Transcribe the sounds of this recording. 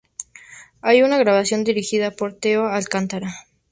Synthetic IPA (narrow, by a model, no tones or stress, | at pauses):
ajunaɣɾaβasjo̞nd̪iɾixiðapo̞ɾt̪eoalkant̪aɾa